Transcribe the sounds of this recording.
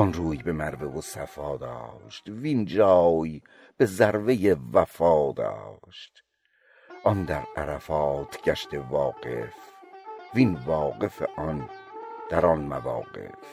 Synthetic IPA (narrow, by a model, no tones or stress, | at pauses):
ʔɔnɾuːjbe̞mæɾvevosæfɒːd̪ɒ̰ːʃt̪vind͡ʒɒːj | b̥e̞zæɾvejevæfɒːd̪ɒ̰ːʃt̪ | ʔɒnd̪æɾæɾæfɑːt̪ʰɟ̥æʃt̪e̞vɒːɡḛfviːnvɒːɡe̞feʔɒnd̪̥æɾɒnmævɒ̰ːɡe̞̰f